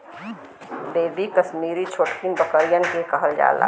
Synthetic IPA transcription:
beːbikəsmiːɾit͡ʃʰoːʈkinbəkəɾijənkekəɦəld͡ʒa̰ːla̰

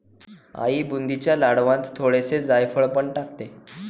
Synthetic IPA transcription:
a̰ibund̪it͡ɕjalaɽʋãt̪t̪ʰːoɽesed͡zajfəɭpəɳʈakt̪e

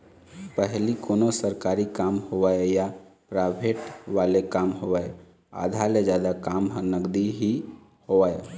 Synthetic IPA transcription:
pəɦlikonosəɾkaɾikamhoʋaeja | pɾabʱeʈʋalekamɦowaj | a̰d̪ʱaled͡ʒjad̪akamɦənəɡd̪iɦi | hoʋae

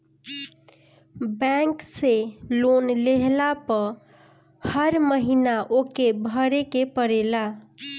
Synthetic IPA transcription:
bɛ̃ŋkselonleɦlapə | həɾməɦinaʔokebʱəɾekepəɾela

